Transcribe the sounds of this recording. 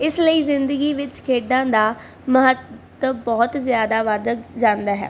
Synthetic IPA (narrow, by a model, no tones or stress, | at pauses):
ɪsləiːzɪnd̪əɡiːʋɪt͡ʃkʰeːɖãːd̪aː | məɦət̪ | əbɔːt̪zɪjaːd̪aːʋad̪d͡ʒãːnd̪aːɦɛ̰ː